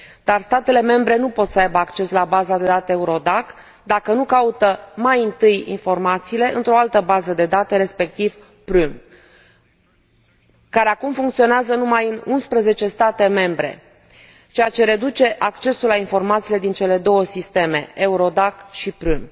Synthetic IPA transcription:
d̪arst̪at̪e̞le̞me̞mbɾe̞nupo̞t̪səajbəakt͡ʃe̞slabazad̪e̞d̪at̪eeuɾo̞d̪ak | d̪akənukaut̪əmajɨnt̪ɨjḭnfo̞rmat̪siːle̞ʔɨnt̪ɾo̞alt̪əbazəd̪e̞d̪at̪əɾe̞spe̞k̚t̪iv | pɾum | kaɾe̞akumfuŋkt̪sio̞neazənumajɨnunspɾəze̞t͡ʃe̞st̪at̪e̞me̞mbɾe̞̰ | t͡ʃejat͡ʃe̞ɾe̞d̪ut͡ʃe̞ʔakt͡ʃe̞sulainfo̞rmat̪siːle̞d̪int͡ʃe̞le̞d̪o̞wəsist̪e̞me̞euɾo̞d̪akʃipɾun

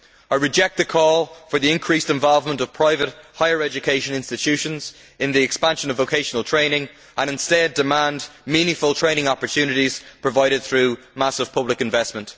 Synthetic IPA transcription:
aɪɹɨd͡ʒɛk̚t̪̚ðəkʰɔlˠfə˞ðiɪ̃nkʰɹ̥istɛ̃ɱvɔlˠvmə̃ntʌv̥pʰɹ̥aɪvət̚haɪə˞ɛd͡ʒɨkʰeɪʃə̃nɪ̃nstɪtʰʉʃə̃nz | ɪ̃nðiɛkspãnʃə̃nəvoʊkʰeɪʃənəlˠtʰɹ̥ẽɪ̃nɪ̃ŋ | ʔə̃ñɪ̃nstɛdɪmãndmĩnɪ̃ŋfəlˠtʰɹ̥ẽɪ̃ñɪ̃ŋɑpə˞tʰjʉnɨɾiz̥pʰɹ̥əvaɪɾɪd̪̚θɹʉ | masəv̥pʰʌblɪkɨ̃ɱvɛsmə̃nt

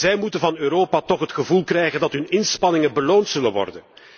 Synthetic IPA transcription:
zɛjmutənvɑnøːɾoːpatɔχɦətxəvulˠkrɛjɣəndɑtɦɵnɪnspɑnɪŋəbəloːntsɵlənʋɔ̰rdən

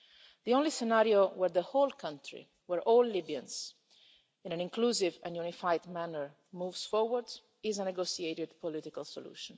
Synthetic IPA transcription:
d̪iõnlisɛnaɾiowɛɹðəholkʰʌ̃ntʰɹḭ | wɛɹʔɔːlːibiã̰nz | ĩnæ̃nĩŋkluːzivɛ̰̃njunifajd̪mænəɹ | muːvsfɔɹwəɹd | ɪzənɛɡosieɾɪd̪pɔlɪtikalso̰lṵːʃə̃n

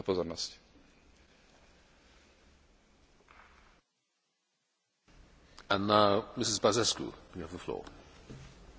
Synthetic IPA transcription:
apɔzɔɾnɔsc | ə̃nːaʊmɪsɪzbazɛskṵjuəvðəflɔ̰ː

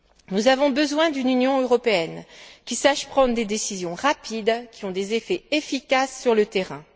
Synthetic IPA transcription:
nuzavɔ̃bəzwɛ̃d̪ynynjɔ̃øʁɔpeɛnkʲisaʃpχɑ̃d̪ʁd̪ed̪esizjɔ̃ʁapʰid̪kʲiɔ̃d̪ezefɛefikʲasːyʁlət̪eʁɛ̃

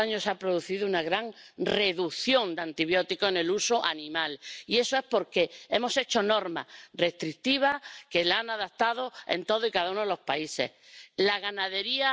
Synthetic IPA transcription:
aɲosapɾo̞ðuθiðounaɣɾaŋre̞ðukθjõ̞nd̪ant̪iβjo̞t̪ikoene̞lusoʔa̰nĩmalie̞soe̞spo̞ɾke̞e̞mo̞se̞t͡ʃo̞no̞ɾmare̞st̪ɾikt̪iβ̞ake̞lanaðat̪aðo̞ḛnt̪o̞ð̞oikaðaunoelo̞spaise̞̰hlaɣanaðe̞ɾia

